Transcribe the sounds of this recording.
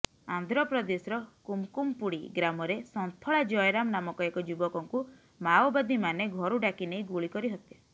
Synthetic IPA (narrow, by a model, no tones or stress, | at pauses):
a̰nd̪ʱɾɔpɾɔd̪esɾɔkumkumpuɽiɡɾamɔɾesɔnt̪ʰɔɭad͡ʒɔjɾamnamɔkɔekɔd͡ʒubɔkɔŋku | mawbad̪imaneɡʱɔɾuɖakineiɡuɭikɔɾiɦɔt̪i̥